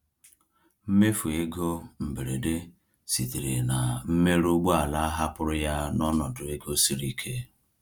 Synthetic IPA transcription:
m̩˦me˦fu˨e˦ɡo˦m̩˨be˨ɾe˨de˦ | si˨ti˨ɾi˨na˨m̩˦me˦ɾu˦ɡ͡bo˦a˨la˦a˦ɦa˦pʊ˦ɾʊ˦ja˦nɔ˦nɔ˨dʊ˨e˦ɡo˦si˦ɾi˦kʰe˦

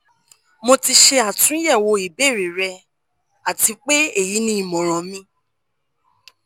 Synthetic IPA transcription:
mo˧ti˧ʃe˧a˨tũ˨˦jɛ˦˨wo˧i˨be˦˨ɾi˨ɾɛ˧ | a˨ti˧k͡pe˦e˦˨ji˨˦nĩ˦i˨mɔ̃˨ɾ̃ɔ̃˨mĩ˧˦

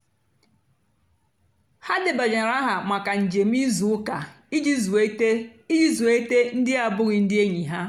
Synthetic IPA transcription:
ha˦dɪ˨ba˨d͡ʒa˨ɾa˦ɦa˨ma˨ka˨n̩˨d͡ʒe˨m̩˦i˦zu˨ʊ˦ka˨ | i˦d͡ʒi˦zu˨e˦te˦i˦d͡ʒi˦zu˨e˦te˦n̩˦dɪ˦a˨bʊ˦ɣɪ˨n̩˦dɪ˦e˦ɲi˨ɦa˦

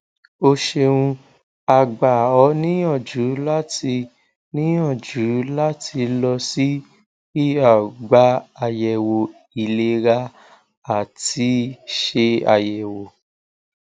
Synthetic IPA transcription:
o˧ʃe˧ũ˧ | a˧ɡ͡ba˨ɔ˨˦nĩ˦j̃ɔ̃˦˨d͡ʒu˨˦la˦ti˧ | nĩ˦j̃ɔ̃˦˨d͡ʒu˨˦la˦tʰi˧lɔ˧si˦ | i˦˨a˨ɡ͡ba˨˦a˧jɛ˨wo˨ | i˨le˧ɾa˧ | a˨ti˨˧˦ʃe˧a̰˧jɛ˨wo˨

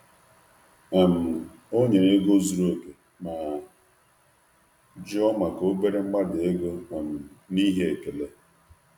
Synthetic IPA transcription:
a˨m̩˨ | o˦ɲe˨ɾe˦ɡo˦zu˨ɾo˦˨ke˨ | ma˨ | d͡ʒɔ˦ma˨ko˦be˦ɾe˦ŋ͡m̩˦ɡ͡ba˦dɪ˨e˦ɡo˦ɔ˨m̩˨ni˦ɦe˦e˨ke˨le˦

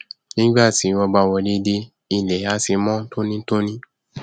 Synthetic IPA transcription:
nĩ˦ɡ͡ba˦˨ti˨˦wɔ˧ba˧˨wɔ˧de˧˦de˧ | i˨lɛ˨˦a˧˦si˧mɔ̃˦to˦nĩ˦to˦nĩ˦

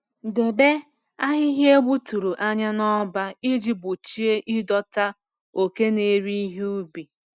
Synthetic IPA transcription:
de˨be˦ | a˦ɦɪ˦ɦe˦ɡ͡bu˦tu˨ɾu˨ʔa˦ɲa˦nɔ˦ba˦i˦d͡ʒi˦bʊ˨t͡ʃi˦e˦ʔi˦dɔ˦ta˦ | o˨ke˦ne˨˦ɾi˦ɦu˦bi˨

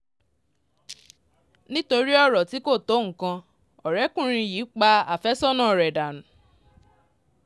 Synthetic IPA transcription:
nĩ˦to˧ɾi˦ɔ˦ɾɔ˨ti˨˦ko˦˨to˨˦ŋ̩˨kã˧ | ɔ˨ɾɛ˨˦kũ˦˨ɾ̃ĩ˧ji˨˦k͡pa˧a˨fɛ˦sɔ˦nã˦˨ɾɛ˨da˨nũ˨

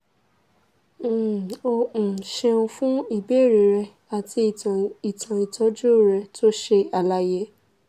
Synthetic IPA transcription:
õ˧˨ʃe˧ũ˧fũ˦i˦˨be˦˨ɾi˨˦ɾɛ˧ | a˨ti˧i˨tʰã˨i˨tʰɔ˨˦d͡ʒu˦˨ɾɛ˧tʰo˦ʃe˧a˨la˧˦je˦

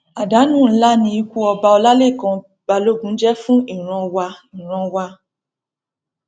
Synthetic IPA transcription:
a˨da˨˦nũ˦˨˦la˦nĩ˧i˧kʷu˦ɔ˧ba˧ɔ˧la˦le˦˨kã˧ | b̥a˧lo˦ɡũ˨˦d͡ʒɛ˦fũ˦i˦˨ɾ̃ɔ̃˧wa˧ĩ˨ɾ̃ɔ̃˧wa˧

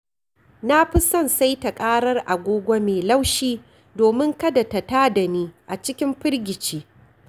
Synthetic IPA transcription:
na˦ɸɪ˦sɐ˦˨nsa˦jta˨kʼaː˦ɽɐ˦rʔa˨ɡʷoː˦ɡʷa˦meː˨la˦wʃiː˦ | doː˨mɪ˦ŋkɐ˦da˨ta˨taː˦da˨niː˦ʔa˨t͡ʃɪ˦kʲɪ˦mɸɪ˦rɡʲɪ˨t͡ʃeː˦

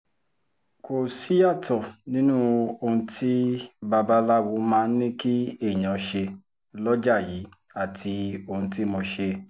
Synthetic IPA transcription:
ko˨si˦a˦˨tɔ˨nĩ˦nũ˦o˧hũ˧ti˦ba˧ba˦la˦˨wu˧mãː˦˧n̩˦nĩ˦ki˦e˦˨j̃ã˨ʃe˧ | lɔ˦d͡ʒa˦˨ji˨˦ | a˦˨tʰi˧o˧hũ˧ti˦mo˧ʃe˧

